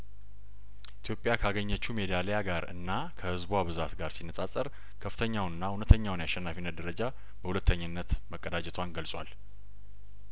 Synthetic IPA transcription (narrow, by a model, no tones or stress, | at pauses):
ʔit̪ʰjo̞pʼːjakʰaɡəɲːət͡ʃːume̞d̪alejaɡaɾɨ̰nːa | kʰəhɨzbwaβɨzat̪ɡaɾsinːəsʼasʼəɾ | kʰəfɨt̪ʰəɲːawnɨnːahunət̪ʰːəɲːawnjaʃːɛnːafinːəd̪əɾəd͡ʒa | b̥əhulət̪ʰːəɲːɨnːət̪məkʼːəd̪ad͡ʒɛt̪ʰwanɡəlsʼwal